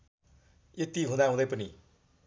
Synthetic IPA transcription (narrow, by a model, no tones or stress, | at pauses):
jet̪iɦũd̪aɦũd̪ʌjpʌni